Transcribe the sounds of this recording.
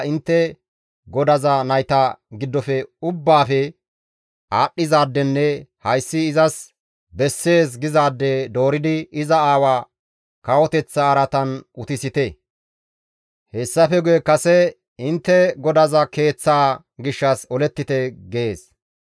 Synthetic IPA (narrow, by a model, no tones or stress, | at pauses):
ɪnt̪ːɛ | ɡɔd̪ɐzɐnɐjt̪ɐɡɪd̪ːɔfɛʊbːaːfɛ | aːɗːɪzaːd̪ːɛnːɛhɐjsːɪːzɐs | bɛsːe̞ːs̬ɡɪzaːd̪ːɛd̪o̞ːɾɪd̪ɪɪzɐaːwaː | kɐwɔt̪ɛt͡sːɐːɾɐt̪ɐnʔʊt̪ɪsɪt̪ɛ | hɛsːɐfɛɡʊjɛkɐsɛ | ɪnt̪ːɛɡɔd̪ɐzɐke̞ːt͡sːaː | ɡɪʃːɐsɔlɛt̪ːɪt̪ɛɡeːs